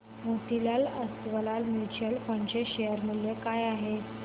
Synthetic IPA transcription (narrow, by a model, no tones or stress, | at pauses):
mot̪ilaləst̪ʋəlalmit͡ɕəlpəɳt͡ɕeɕejəɾmuljekajaɦe